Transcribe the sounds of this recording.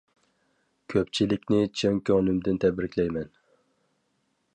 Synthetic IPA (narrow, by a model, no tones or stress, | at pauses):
kʲʰøp̚t͡ʃʰilɪkʲnɪt͡ʃʰøŋkʲʰøŋnymd̪ɪnt̪ʰɛbɾɪkʲlɛjmɛn